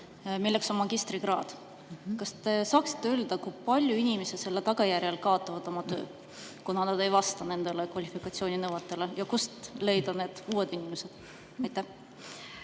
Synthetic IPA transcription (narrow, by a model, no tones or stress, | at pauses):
milːe̞kso̞nmɑɡ̥ist̪riɡ̥rɑːd̪̥ | kɑst̪e̞sɑːksi̥t̪ːe̞øːld̪̥ɑkujpɑlʲjuinimesed̪se̞lːe̞t̪ɑɡ̥ɑjærjɑlkɑo̞t̪ˑːɑvɑd̪̥o̞mɑt̪øː | kunɑnɑd̪e̞jvɑst̪ɑne̞nd̪̥elekvɑlʲifikɑt̪sioːninɤwɑt̪ːˑe̞le̞jɑkust̪le̞jd̪ɑne̞ːd̪̥uːe̞d̪inimese̞d̪̥ | ɑjt̪ˑːæh